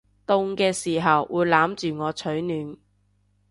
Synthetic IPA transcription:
t̪ʊ˧ŋkɛː˧siː˨˩ɦɐ˨wwʔuː˨˧jlaː˨˥mt͡ʃyː˨ŋɔː˨˧t͡ʃʰɵ˨˥ɥnyː˨˥n

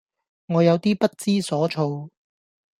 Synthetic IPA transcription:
ŋɔː˨˧jɐ˨˧wt̪iː˥pɐ˥t̚t͡siː˥sɔː˨˥t͡ʃʰo˧w

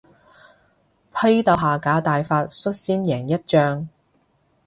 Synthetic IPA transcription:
pʰɐ˥jt̪ɐ˨˧wɦaː˨kaː˨˥t̪aː˨jfaː˧t̚sɵ˥t̚siː˥njɛː˨˩ŋjɐ˥t̚t͡ʃœː˥ŋ

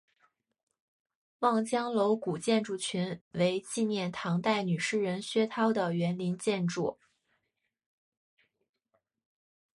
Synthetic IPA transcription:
wɑ˥˩ŋt͡ɕjɑ˥ŋlo˧˥ʊku˨˩t͡ɕjɛ˥˧nʈ͡ʂu˥˩t͡ɕʰy˧˥nwe˧˥ɪt͡ɕi˥˧njɛ˥˩nt̪ʰɑ˧˥ŋt̪a˥˩ɪny˨˩ʂɻ̩˥˩ɻə˧˥nɕɥɛ˥t̪ʰɑ˥ʊd̪ə˨ɥɛ˧˥nli˧˥nt͡ɕjɛ˥˧nʈ͡ʂṵ˥˩

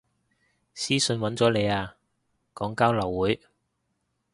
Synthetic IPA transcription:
siː˥sɵ˧nwɐ˨˥nt͡sɔː˨˥le˨˧jaː˧ | kɔː˨˥ŋkaː˥wlɐ˨˩wːuː˨˥j

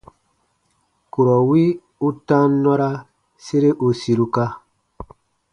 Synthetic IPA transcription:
ku˨ɾɔ˨wi˦ | u˦tã˦nɔ˦ɾa˦ | se˦ɾe˦ʔu˨si˨ɾu˦ka˦

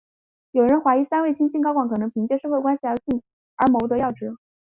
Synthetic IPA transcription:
jo˨˩ʊɻə˧˥nxwa˧˥ɪi˧˥sa˥nwe˥˩ɪt͡ɕʰi˥nt͡ɕi˥˩ŋkɑ˥ʊkwɑ˨˩ŋkʰn˧˥pʰi˧˥ŋt͡ɕjɛ˥˧ʂɻ̩˥˧xwe˥˩ɪkwa˥nɕi˨˩ɑ˧˥t͡ɕi˥˩ | ə̰˞˧˥mo˧˥ʊt̪ɤ˧˥jɑ˥˩ʊʈ͡ʂɻ̩˧˥

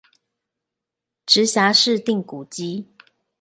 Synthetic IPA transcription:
ʈ͡ʂɻ̩˨˦ɕja˧˥˦ʂɻ̩˥˧t̪i˥˨˩ŋku˨˩t͡ɕi˦

